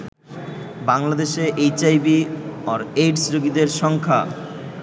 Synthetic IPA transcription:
baŋlad̪eʃeʔejt͡ɕajbiɔɾeʈsɾoɡid̪eɾʃɔŋkʰa̰

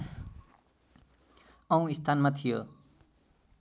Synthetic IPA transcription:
ʌw̃ist̪ʰanmat̪ʰijo

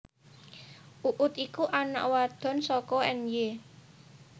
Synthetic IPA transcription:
ʔuʔʊt̪ikuʔana̰ʔwad̪̥ɔ̤nsɔkɔɛnje

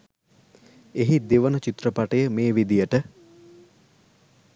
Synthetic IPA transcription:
eɦid̪iʋənət͡ʃit̪rəpaʈəjəmeːʋid̪ijəʈə

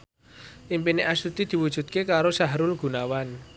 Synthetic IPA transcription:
ʔimpineʔasut̪id̪̥i̤wud̥ʒ̥ṳt̪̚kekaɾosaɦɾʊlɡ̥ṳnawan

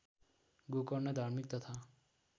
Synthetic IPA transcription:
ɡukɔɾned̪ʱaɾmik̚t̪ʌt̪ʰa

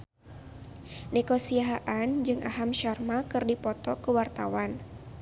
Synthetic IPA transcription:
nɛkosiaɦaʔand͡ʒɨŋʔaɦamʃarmakɨrdipɔt̪ɔkəwart̪awan

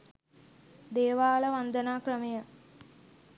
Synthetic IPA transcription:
d̪eːʋaːləʋand̪ənaːkrəmejə

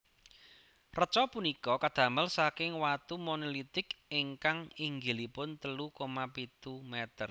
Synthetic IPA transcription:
rət͡ʃɔpunikɔkad̪̥ä̤məlsakɪŋwat̪umonolit̪ɪkɪŋkaŋiŋɡilipʊnt̪əlukomapit̪umɛt̪ər

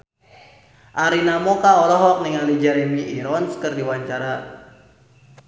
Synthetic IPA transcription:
ʔaɾinamɔkaɔlɔɦɔk̚niŋalid͡ʒɛɾɛmiʔiɾɔnskɨrdiwaɲt͡ʃaɾa

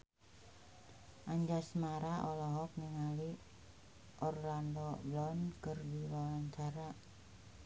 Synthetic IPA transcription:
ʔaɲd͡ʒasmaɾaʔɔlɔɦɔk̚niŋali | ʔɔrlandɔblɔnkərdiwawaɲt͡ʃaɾa

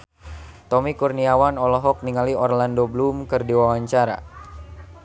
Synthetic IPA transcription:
t̪ɔmikurniawanɔlɔɦɔk̚niŋaliɔrlandoblumkɨrdiwawaɲt͡ʃaɾa̰

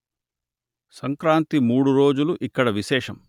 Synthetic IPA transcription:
sɐŋkɾaːnt̪imuːɽuɾo̞ːd͡ʒuluʔikːɐɽɐʋiʃɛːʂɐm

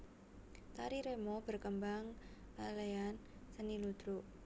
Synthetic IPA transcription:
t̪aɾiɾemob̥ə̤rkəmbaŋ | laleansənilud̪̥ɾuʔ

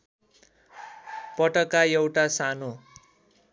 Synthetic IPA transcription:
pʌʈʌkːajewʈasano

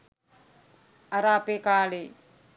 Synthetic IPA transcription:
ɐɾaːpeːkaːleː

